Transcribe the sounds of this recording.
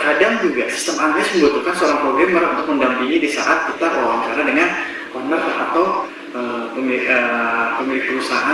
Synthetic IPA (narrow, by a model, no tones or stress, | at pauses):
kadaŋd͡ʒuɡasi̥st̪əmaŋnɪsmiɡut̪ukansəoɾaŋpɾoɡɾemərunt̪ʊk̚məndampiŋidisa̰ʔat̪̚kit̪akoawaɲt͡ʃaɾadəŋan | kɔnərat̪aw | ʔəpəməpəmilɪk̚pəɾusaɦa